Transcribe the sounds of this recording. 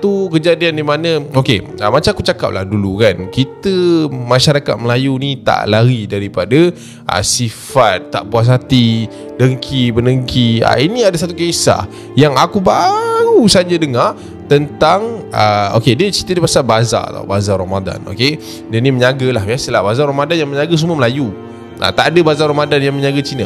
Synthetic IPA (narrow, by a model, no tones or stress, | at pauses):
t̪ukəd͡ʒadiandimanə̃oke | amat͡ʃaakut͡ʃaka̰p̚la̰hdulukankit̪əmãʃaɾaka̰t̪̚məlajunit̪a̰ʔlaɾidaɾipada | ʔa̰siffat̪ːa̰ʔpuas̬at̪i | dəŋkʰibənəŋkʰia̰iniadas̬at̪ukesa̰ | jaŋakubausad͡ʒadəŋar | t̪ənt̪aŋʔəokediət͡ʃit̪ədipasabaza̰t̪a̰bazaɾamada̰no̰ke | dəniməɲaɡəlaɦasəlahbazaɾamadanjaŋməɲaɡas̬uməməlaju | ʔa̰t̪aʔadabazaɾamadanjaŋməɲaɡat͡ʃina